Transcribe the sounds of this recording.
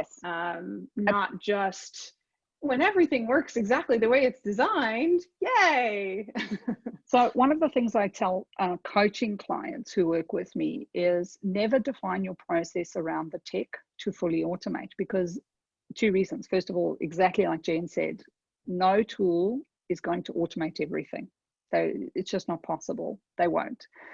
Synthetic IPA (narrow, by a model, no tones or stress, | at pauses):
jɛsʌ̃mnət̚d̥ʒ̥ʌst | wə̃nɛvɹiθɪ̃ŋwɜ˞ksɨɡzæk̚tˡliðɨweɪɨtsd̥ɨzãɪ̃nd̥jæ | soʊwʔʌ̃nʌvðəθɪ̃ŋzaɪtʰɛlˠʔʌkʰoʊt͡ʃɪ̃ŋkʰl̥a̰ɪɨ̰̃ntshʉwɜ˞kwɪð̥mḭɪz̥nɛvə˞dɨfãɪ̃njə˞pʰɹ̥oʊsɛsə˞ãʊ̃nðɨtʰɛktʰɨfʊlˠiɔɾəmḛɪt̚b̥ɨkʰʌz | tʰʉɹizə̃nz̥fɜ˞stʌvɔlˠɪ̰ɡzæk̚tˡlilaɪk̚ʒ̥ẽɪ̃nsɛ̰dⁿ | noʊtʰulˠ | ɨzɡoʊɪ̃ŋtʰəʔɔˑɾəmeɪɾɛvɹḭθɪ̰̃ŋ | soʊɨtsd̥ʒ̥ʌsnət̚pʰɑsəbə̰l̩ˠðeɪwõ̰ʊ̃nt